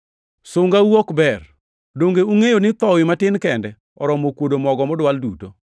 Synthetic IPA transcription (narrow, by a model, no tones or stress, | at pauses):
sʊŋɡawokbɛr | doŋɡeuŋejonɪt̪ɔwɪmatɪnkɛndɛ | ɔɾɔmokwodomɔɡɔmɔdwalduto